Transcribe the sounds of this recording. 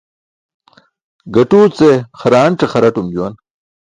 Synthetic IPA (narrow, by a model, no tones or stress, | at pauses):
ɡɐʈuːt͡seχɐɾaːɳʈ͡ʂɐχɐɾɐʈumd͡ʑuwɐn